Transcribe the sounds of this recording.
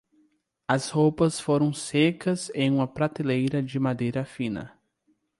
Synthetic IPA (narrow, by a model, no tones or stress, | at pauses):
ɐshowpɐsfoɾɐ̃w̃sekɐzẽj̃ũmɐpɾat̪elejɾɐd͡ʒɪmad̪ejɾɐfĩnɐ̰